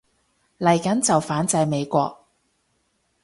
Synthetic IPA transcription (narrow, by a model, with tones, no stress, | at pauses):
lɐ˨˩jkɐ˨˥nt͡sɐ˨wfaː˨˥nt͡sɐ˧jme˨˧jkʷɔ̰ː˧k̚